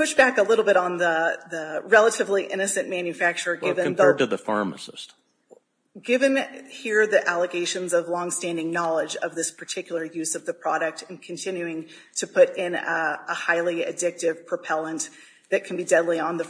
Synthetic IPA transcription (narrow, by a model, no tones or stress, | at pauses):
pʰʊʃb̥ækəlɪɾl̩ˠbɪɾn̩ðəðəɹɛlˠəɾɨvliʔɪ̃ñɨsɨ̃nmæ̃njɨfæk̚t͡ʃə˞ɡɪvɨ̃ðɛtɨðəfɑ̰ɹmə̰sɨ̰st | ɡ̥ɪvɨ̃nhiɹðiʔælˠəɡeɪʃɨ̃nzʌvlɔ̃ŋstæ̃ndɪ̃ŋnɑlˠɪd͡ʒʌ̰vðɪspʰə˞tʰɪkjl̩ˠə˞jʉzʌvðɨpʰɹ̥ɑɾɨk̚tɨ̃n̩kʰɨ̃n̩tʰɪ̃njʉɪ̃ŋ | tʰɨpʰʊɾɪ̃nəhaɪlˠiɨdɪk̚tɪv̥pʰɹ̥ɨpʰɛlˠə̃n | ðɨt̚kʰn̩bidɛdˡliə̃nðə